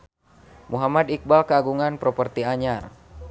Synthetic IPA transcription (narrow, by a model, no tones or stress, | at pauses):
muɦamad̪ik̚balkəaɡuŋanpɾɔpərt̪iaɲar